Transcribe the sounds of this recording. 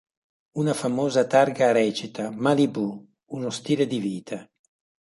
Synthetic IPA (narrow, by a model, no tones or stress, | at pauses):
unafamoːzat̪aɾɡaɾɛːt͡ʃit̪amalibu | unost̪iːled̪iviːt̪ʰa